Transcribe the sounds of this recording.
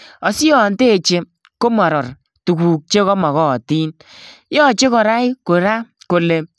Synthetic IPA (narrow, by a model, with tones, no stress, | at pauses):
ɔ˨si˦ɔ˨nte˦˨t͡ʃe˧ | ko˦mɔ˨ɾɔ˨r | tu˨kuː˨k̚t͡ʃe˦kɔ˦ma˨ɣɔ˦˨tiː˦n | jɔ˦˨t͡ʃe˦kɔ˨ɾa˦i˦ko˨ɾa˦ko˨le˨